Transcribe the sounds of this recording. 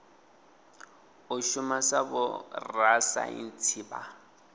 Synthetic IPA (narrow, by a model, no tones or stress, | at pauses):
ʊʃʊmasabʊ̰rasa̰ḭn̩t͡sʰiːba̰